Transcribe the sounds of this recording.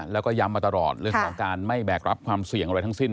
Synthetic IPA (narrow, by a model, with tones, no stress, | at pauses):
lɛː˦˥wkɔː˥˩ja˦˥mːaː˧t̪a˧lɔː˨˩t̪̚ɾɯ˥˩əŋkʰɔː˩˦ŋkaː˧nma˥˩jbɛː˨˩k̚ɾa˦˥p̚kʰwaː˧msi˨˩əŋʔɾa˧jt̪ʰa˧˥ŋsi˥˩n